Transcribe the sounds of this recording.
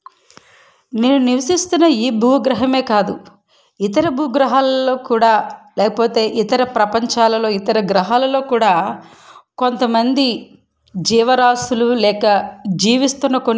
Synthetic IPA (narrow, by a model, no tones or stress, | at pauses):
ne̞ːnuniʋɐsist̪unːɐiːbʱuːɡɾɐɦɐme̞ːkaːd̪u | it̪ɐɾɐbʱuːɡɾɐɦaːlɐlo̞ːkuːɽaːlɛːkɐpoːt̪e̞ːʔit̪ɐɾɐpɾɐpɐɲt͡ʃaːlɐlo̞ːit̪ɐɾɐɡɾɐɦaːlɐlo̞ːkuːɽaː | ko̞nt̪ɐmɐnd̪i | d͡ʒiːʋɐɾaːsululɛːkɐd͡ʒiːʋist̪unːɐkon